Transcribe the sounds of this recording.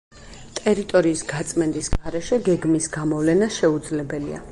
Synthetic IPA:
t̪ʼɛɾit̪ʼɔɾiːsɡat̪sʼmɛnd̪ʼisɡaɾɛʃɛɡɛɡmisɡamɔvlɛnaʃɛud̪zlɛbɛlia̰

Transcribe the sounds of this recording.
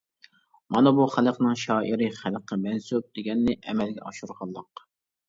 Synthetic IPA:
mɑnɑbuχæləqnɨŋʃɑːʔiɾɨχælqʰːəmɛnsup̚d̪̥eɡʲɛnːɪʔɛmɛlɡʲɛ̰ɑʃuɾʁɑlˠːəq

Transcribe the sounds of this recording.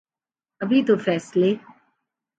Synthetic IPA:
ɐbʱit̪ofɛːsleː

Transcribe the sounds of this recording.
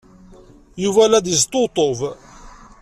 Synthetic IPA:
juvælːæd̪jəzt̪ˤːot̪ˤov

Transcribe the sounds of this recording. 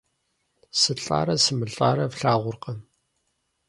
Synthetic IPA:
sɨɬʼa̰ːɾɐsɨmɨɬʼaːɾɐvɬaːʁʷʊrqɐm

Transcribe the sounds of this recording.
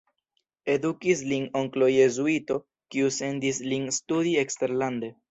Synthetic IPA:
e̞dukislino̞ŋklo̞je̞zuito̞ | kiuse̞ndislinstudiekste̞ɾlande̞

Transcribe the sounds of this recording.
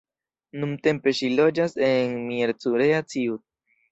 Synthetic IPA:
numte̞mpe̞ʃilo̞d͡ʒase̞nmieɾt͡suɾeat͡siu

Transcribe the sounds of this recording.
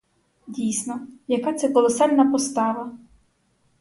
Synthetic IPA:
dʲijsnɔjɐkɑt̪sɛkɔlˠɔsɑlʲnɐpɔst̪ɑʋɐ

